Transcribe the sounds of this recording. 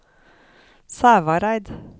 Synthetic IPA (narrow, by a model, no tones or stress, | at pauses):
sæːʋɑɾæɪd̪